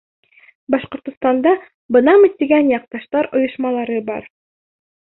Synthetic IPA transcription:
bɑʃqŏɾt̪ŏst̪ɑnd̪ɑ | bɤ̆nɑmit̪ːiɡænjɑq̚t̪ɑʃt̪ɑɾŏjŏʃmɑlˠɑɾɤbɑ̰ɾ

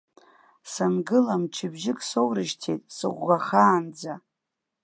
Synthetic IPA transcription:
sanɡɨlamʈ͡ʂʰɪbʒɪkʼsowɾɨʃtʰḛjtʼsɨ̰ʁʷːaχaːnd͡za

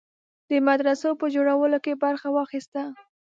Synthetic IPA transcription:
d̪̥əmad̪ɾasopəd͡ʒoɽawəlokebaɾxawɑxist̪a

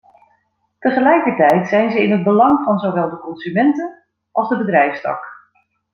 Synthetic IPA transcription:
təχəlɛjkəɹtɛjtsɛjnzəɪnɦəd̚bəlɑŋvɑnzowʋɛlˠdəkɔnzymɛntən | ʔɑlˠzdəbədrɛjfstɑ̰k

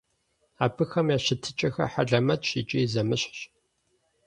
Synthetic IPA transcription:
aːbʰɨxɐmjaːɕɪtʰɨt͡ʃʼɐxɐ̰ħaɮɐmɐtʃiːt͡ʃʼiːzɐmɨɕɕ

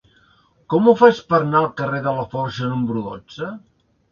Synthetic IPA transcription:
kɔmufat͡ʃpəɾnalˠkəreðələfɔɾsənumbɾuðɔ̰t͡ʃə

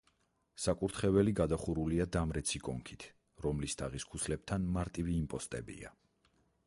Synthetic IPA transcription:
sakʼuɾt̪ʰχɛvɛliɡad̪aχuɾuliad̪amɾɛt̪sʰikʼɔŋkʰit̪ʰ | ɾɔmlist̪ʰaʁiskʰuslɛb̚t̪ʰanmaɾt̪ʼiviːmpʼɔst̪ʼɛ̰bḭa̰

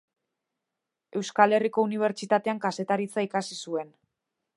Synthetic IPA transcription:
e̞wskale̞riko̞uniβ̞e̞ɾt͡ʃit̪at̪e̞aŋkase̞t̪aɾit͡saikasisue̞n

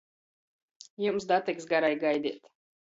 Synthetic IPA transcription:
jumsd̪at̪ɛksɡaɾajɡajd̪ḭːt̪

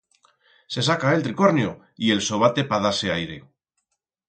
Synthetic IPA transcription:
se̞sakae̞lt̪ɾiko̞ɾnjo | ie̞lso̞β̞at̪e̞paðaseajɾe̞̰

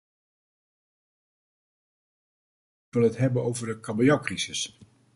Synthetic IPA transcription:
kʋɪlˠɦətɦɛbənowvəɹdəkɑbəjakrisɪs

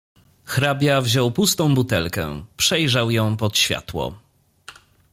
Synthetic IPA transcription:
xɾabʲjavʑɔwpust̪ɔ̃w̃but̪ɛlkɛ̰pʂɛjʐawjɔ̃w̃pɔt̪ɕfʲja̰t̪wɔ̰

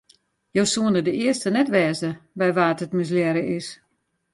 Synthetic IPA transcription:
joːsuənədəɪəstənɛtʋɛːzəbɛjʋaːtətmɪs̬ljɛɾəʔɪs

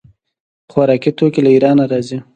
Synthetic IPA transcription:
xwaɾɑkit̪okelaiɾɑnaɾɑzi

